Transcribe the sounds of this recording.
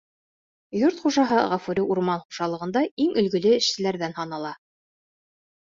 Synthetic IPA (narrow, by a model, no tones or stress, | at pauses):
joɾt̪χuʒɑɦɤʁɑfuɾʲiʔuɾmɑnχuʒɑlˠɤ̆ʁɤ̆nd̪ɑiŋɵ̆lɡɵ̆lɘɘ̆ʃsɘ̆læɾðænhɑnɑlˠɑ